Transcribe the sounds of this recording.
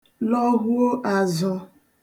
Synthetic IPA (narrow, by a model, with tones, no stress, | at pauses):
lɔ˦ɦu˦o˦ʔa˨zɔ˨